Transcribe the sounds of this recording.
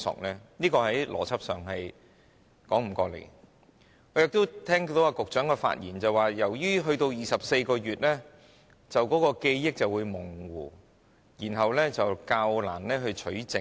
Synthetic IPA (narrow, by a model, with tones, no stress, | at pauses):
sʊ̰˨k̚lɛː˥niː˥kɔː˧ɦɐ˨˥jlʔɔ̰ː˨˩t͡sʰɐ˥p̚sœː˨ŋhɐ˨j | kɔː˨˥ŋm̩˨˩kɔː˧lḛ˨˩j | ŋɔː˨˧jɪ˨k̚t̪o˥wt̪ʰɛː˥ŋt̪o˨˥waː˧kʊ˨k̚t͡ʃœː˨˥ŋkɔː˧fa̰ː˧t̚jḭː˨˩nt͡sɐ˨waː˨˩jɐ˨˩wjyː˥ɦɵ˧ɥt̪o˧wjiː˨˩sɐ˨p̚se˧jkɔː˧ɥyː˨t̚lɛː˥ | t͡sɐ˨wkɔː˨˥kɔː˧ke˧jːjɪ˥k̚t͡sɐ˨wuː˨˧jmʊ˨˩ŋwuː˨˩ | jiː˨˩nɦɐ˨wlɛː˥t͡sɐ˨wkaː˧wla̰ː˨˩nlɛː˥ɦɵ˧ɥt͡ʃʰɵ˨˥ɥt͡sɪ˨